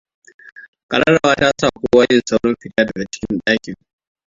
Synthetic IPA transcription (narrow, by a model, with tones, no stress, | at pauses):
kʼɐ˨lɐ˦ɽa˨wa˦taː˦sa˦˨kʷoː˦waː˦jɪ˦˨nsa˦wɽɔ˦mɸɪ˨taː˦dɐ˨ɡa˨˦t͡ʃɪ̥˦kʲɪ˦nɗaː˦kʲɪ˨ŋ